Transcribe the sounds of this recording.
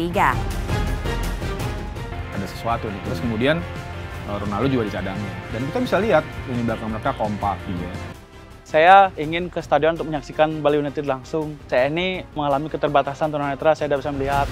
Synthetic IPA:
iɡa | adasə̥suat̪unɪht̪ɾʊskəmudianəɾonalud͡ʒuɡadit͡ʃadaŋandankit̪abisaliɦat̪̚əŋiblakanməɾekakompak̚ija | sajaiŋɪnkəsə̥t̪adiɔnunt̪ʊk̚məɲaksikanbaliunat̪ɪdlaŋsʊŋsajainiməŋalamikət̪ərbat̪asant̪unanat̪ɾasajadabisaməliɦat̪̚

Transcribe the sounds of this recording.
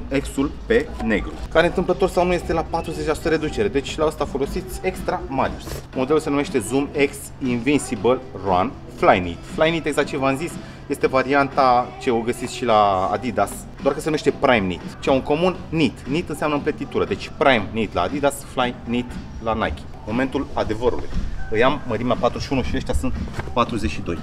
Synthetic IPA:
e̞ksulpe̞ne̞̰ɡɾṵkaɾeɨnt̪ɨmplət̪o̞rsawnujest̪e̞lapat̪ɾuzet͡ʃʲlasu̥t̪əɾe̞d̪ut͡ʃe̞ɾed̪e̞t͡ʃʲʃlaəst̪afo̞lo̞sit̪sʲe̞kst̪ɾamalʲiusmo̞d̪elulse̞nume̞ʃt̪e̞zume̞ks | invinsibəlroa̰n | flajnḭt̪flajnit̪eɡz̥ak̚t̪̚ːt͡ʃevamzis | je̞st̪e̞vaɾiant̪at͡ʃe̞oɡəsisʃila̰ːd̪id̪as | d̪oarkəsenumeʃt̪e̞pɾajmnḭt̪t͡ʃauŋko̞munnit̪nit̪ɨnseamnəmplet̪it̪uɾəd̪e̞t͡ʃʲpɾajmnit̪la̰ːd̪id̪asflajnit̪lana̰jkʲi̥ | mo̞me̞nt̪ulad̪e̞vəɾṵlṵjɨjamːəɾimeapat̪ɾuʃiunuʃieʃt̪ʲasɨnt̪pat̪ɾuzet͡ʃʃid̪o̞̰j

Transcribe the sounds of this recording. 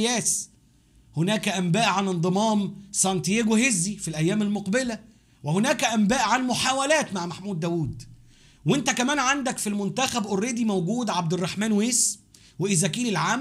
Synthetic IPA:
jæːs | honæːkæʔæmbæːʔʕanend̪ˤɨmɑːmsˤɑnt̪jeːɡohezːifilʔæjːæːmælmoqbelæ | wehonæːkæʔæmbæːʔʕanmoħaːwælæːt̪maʕmæħmuːd̪ːæːwuːd̪ | went̪ækæmæːnʕand̪ækfilmont̪æxæbʔorːeːd̪imæwɡuːd̪ʕab̚d̪erˤːɑħmæːnweːs | weʔɪzækiːlɪlʕaːm

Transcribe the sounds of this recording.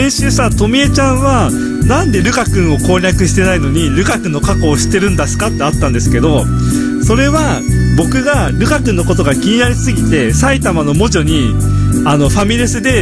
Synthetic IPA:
ẽɰ̃ɕɯːsat̪o̞mʲiet͡ɕãɰ̃βa | nãnd̪e̞ɾɯ̟kakɯ̟̃ɰ̃o̞ko̞ːɾʲakɯ̟ɕi̥t̪e̞naino̞ɲ̟iɾɯ̟kakɯ̟̃nːo̞kako̞ːɕi̥t̪e̞ɾɯ̟̃nd̪asɨ̥kat̪ːe̞at̪ːãnd̪e̞sɨ̥ke̞d̪o̞ | so̞ɾe̞βa | bo̞kɯ̟ɡaɾɯ̟kakɯ̟nːo̞ko̞t̪o̞ɡakʲiɲ̟inaɾʲisɨɡʲit̪e̞sait̪amano̞mo̞ʑo̞ɲ̟i | ano̞ɸamʲiɾesɨd̪e̞

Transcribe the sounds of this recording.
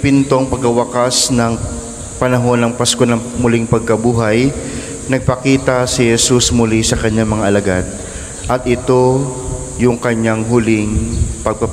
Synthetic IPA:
pɪnt̪oɐŋpɐɡ̚kɐwɐkasnɐŋ | pɐnɐɦo̞nːɐŋpɐsko̞nɐŋmʊlɪŋpɐɡ̚kɐbuːɦɐj | nɐɡ̚pɐkiːt̪ɐsɪhɛsusmʊlisɐkɐɲːaŋmɐŋaʔɐlɐɡad̪̚ | ʔɐt̪̚ʔɪt̪o̞ | jʊŋkɐɲaŋɦʊlɪŋpɐɡ̚pɐ

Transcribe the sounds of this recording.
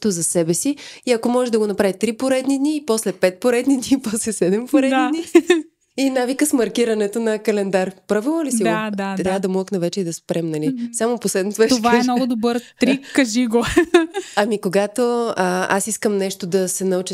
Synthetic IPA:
t̪ozɐsɛbɛsiiɐkomɔʒɛd̪ɐɡonɐpɾavit̪ɾipoɾɛd̪nid̪nipɔslɛpɛt̪̚poɾɛd̪nid̪nipɔslɛsɛd̪ɛmpoɾɛd̪ani | inavikəsmɐɾkiɾɐnɛt̪onɐkɐlɛnd̪aɾpɾavilˠnolisid̪ad̪ad̪ɐmɔəknɐvɛt͡ʃɛid̪ɐspɾɛmnɐlisamoposlɛd̪not̪ovɛt̪ovaɛmnɔɡʊd̪obəɾt̪ɾikːɐʒiɡo | ɐmikoɡat̪oəa̰siskəmnɛʃt̪od̪ɐsɛnɐut͡ʃi

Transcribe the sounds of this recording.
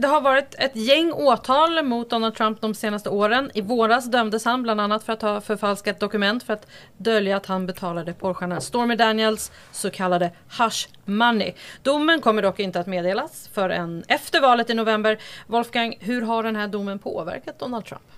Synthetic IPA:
d̪ɛɦaɾvɑːɾɪt̪ɛt̪jɛŋːoːt̪ʰɑːlmʊt̪̚d̪ɔnal̚t̪ʰɾamp̚d̪ɔmseːnast̪əoːɾənɪvoːɾasd̪œmd̪əshanbland̪anːat̪fœɾat̪hɑːfœɾfalskat̪̚d̪ɔkɵmɛnt̪fœɾat̪ | d̪œljaːt̪hanbɛt̪ʰɑːlad̪əpʰɔɾɧaɳəst̪oːɾmɛd̪ænjəlsː | ɔkʰalːad̪ə | haʂ | manːɪ̰d̪ʊmːənkʰɔmːəɖɔkːɪnt̪əat̪meːd̪eːlasfœɾɛ̰nɛft̪əɾvɑːlət̪ɪnʊvɛmbəɾvɔlfɡaŋɦɵɾɦaɖɛnɦæːɖʊmːənpʰo̰ːvæ̰ɾkat̪̚d̪ɔnald̪t̪ʰɾa̰mp

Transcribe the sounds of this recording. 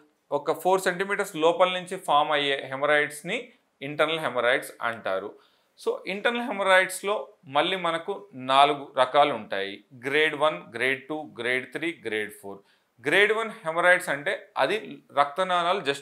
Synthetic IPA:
ɔkɐpʰoːɾseɳʈimiːʈɐɾslɔːpɐlnuɲt͡ʃipʰaːɾmɐjːeːɦemɐɾɐjʈsni | iɳʈɐɾnɐlɦemɐɾɐjʈsɐ̰ɳʈa̰ːɾu | so̞ːʔiɳʈɐɾnɐlɦemɐɾɐjʈslo̞ːmɐɭːimɐnɐkunaːluɡuɾɐkaːluɳʈaːjiɡɾeːɖʋɐnɡɾeːɖ̚ʈuːɡɾeːɖt̪ʰɾiːɡɾeːɖpʰoːɾ | ɡɾe̞ːɖʋɐnhemɐɾɐjʈsɐɳʈe̞ːɐ̰d̪iɾɐk̚t̪ɐnaːnaːlud͡ʒɐs

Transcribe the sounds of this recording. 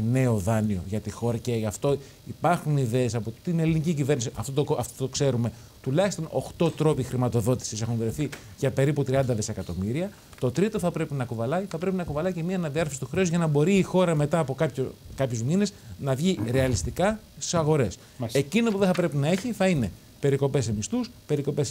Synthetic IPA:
ne̞o̞ðɐnio̞̰ʝɐt̪ixo̞ɾɐceɐft̪o̞ | ipɐɾxuniðe̞ːsɐpot̪inelinicicive̞ɾnisiʔɐft̪ot̪oɐft̪ot̪okse̞ɾume̞ | t̪ulɐçist̪o̞no̞̰xt̪o̞t̪ɾo̞pixɾimɐt̪o̞ðo̞t̪i̥sise̞xunðɾeθi | ʝɐpe̞ɾiput̪ɾiɐnd̪ɐðesekɐt̪o̞miɾiɐ | t̪o̞t̪ɾit̪o̞θɐpɾe̞pinɐkuvɐlɐjθɐpɾe̞pinɐkuvɐlɐjcemiɐnɐðiɐɾfɐsi̥t̪u̥xɾeozʝɐnɐbo̞ɾiːxo̞ɾɐme̞t̪ɐːpo̞kɐpçokɐpçozmine̞snɐvʝiɾe̞ɐlist̪ikɐ | ssisɐɣo̞ɾe̞s | e̞cino̞puðeθɐpɾe̞pinɐe̞çiθɐine̞ | pe̞ɾiko̞pe̞semist̪uspe̞ɾiko̞pe̞s

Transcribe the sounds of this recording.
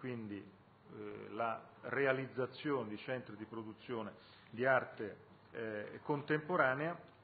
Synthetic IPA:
kwind̪i | larealid̪zːat̪sːjoːned̪it͡ʃɛnt̪ɾid̪ipɾod̪ut̪sːjoːne | d̪iart̪e | kont̪empoɾaːnea

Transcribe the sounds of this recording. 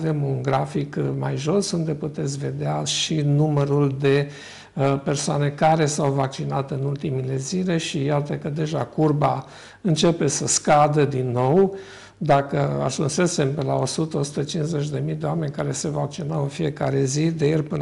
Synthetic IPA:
ve̞munɡɾafikma̰jʒo̞sund̪e̞put̪e̞t̪sʲve̞d̪eaʃinuməɾuld̪e̞ | pe̞rsoane̞kaɾe̞sawvak̚t͡ʃinat̪ɨnult̪imile̞zile̞ʃijat̪əkəd̪e̞ʒakurba | ɨnt͡ʃe̞pe̞səskad̪əd̪inːo̞w | d̪akəa̰ʒunse̞se̞mpelao̞sut̪əo̞su̥t̪ət͡ʃinzet͡ʃd̪e̞mijd̪eoame̞nʲkaɾe̞se̞vak̚t͡ʃinawɨnfije̞kaɾe̞zid̪e̞jerʲpɨ

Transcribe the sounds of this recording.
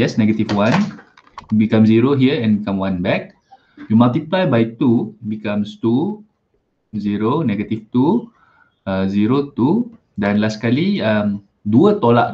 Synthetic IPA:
ɛsnɛɡət̪ifwãn | bikamziɾoɦiəɛ̃nbikãmwãnbɛk̚ | jumalt̪iplajbait̪ubikãmst̪u | ziɾonɛɡət̪ift̪u | əziɾot̪u | danlasə̥kaliəm | duət̪olaʔ

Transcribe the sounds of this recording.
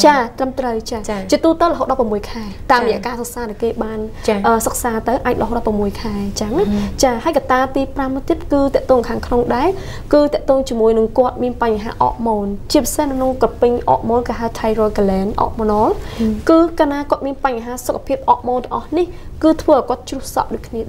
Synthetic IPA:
t͡ɕaːt̪rəmt̪rəwt͡ɕaːt͡ɕiət̪uːt̪əwlə̆ɦoːt̪̚ɗɑpːramuəjkʰaɛt̪aːmrəjɛəʔkaːsək̚saːɗaɛkeːɓaːn | ʔəːsək̚saːt̪ɨwʔaːc̚lə̆ɦoːt̪̚ɗɑprəmːuəjkʰaɛt͡ɕaŋt͡ɕaːɦaəjkat̪aːt̪iːpramt̪iəp̪̚kɨːt̪ɛ̆əʔt̪ɔːŋkʰaːŋkʰnoŋɗaɛ | kɨːt̪ɛ̆əʔt̪ɔːŋt͡ɕiəmuəjnɨŋkŏət̪̚miənpaɲɦa̰ːʔɑ̰ːʔmoːnt͡ɕiəpisehnɨkʰnoŋkrəpɨɲʔɑ̰ːʔmoːnkɨɦaɛt̪ʰajrɔːjkalɛːnʔɑ̰ːʔmonoːlkɨːkaːnaːkŏət̪̚miənpaɲːɦaːsokʰːapʰiəp̚ʔɑːʔmoːnɛəŋʔɑhnih | kɨːt̪ʰʋəːʔɔjkŏət̪̚t͡ɕrʊəhsɑ̰ʔɗoːc̚kʰniəɗa

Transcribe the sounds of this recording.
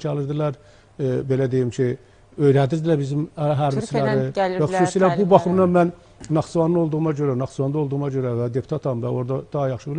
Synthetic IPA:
t͡ʃʰælˠɯɾd̪ɯlˠɑɾ | be̞læd̪ejimcʰi | ø̞jɾænd̪iɾd̪ilæbizimɦæɾbislæɾivæxusuːsilæɾbubɑχɯmnɑmænː | ɑχsuvɑnːɯo̞lˠd̪uɣumɑɟø̞ɾænɑxsuvɑnˠɯolˠd̪uɣumɑɟøɾævæd̪e̞pʰu̥t̪ʰɑt̪ʰɑmvæo̞ɾd̪ɑd̪̥ɑɦɑjɑχʃɯbil

